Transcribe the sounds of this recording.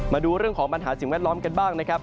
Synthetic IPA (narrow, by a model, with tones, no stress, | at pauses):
maː˧duː˧ɾɯ˥˩əŋkʰɔː˩˦ŋpa˧nɦa̰ː˩˦˥si˨˩ŋwɛː˥˩t̪̚lɔː˦˥mka˧nbaː˥˩ŋna˦˥kʰa˦˥p̚